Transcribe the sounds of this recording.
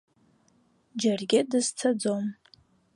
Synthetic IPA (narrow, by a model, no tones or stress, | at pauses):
d͡ʒarɡʲɪdɨzt͡sʰad͡zom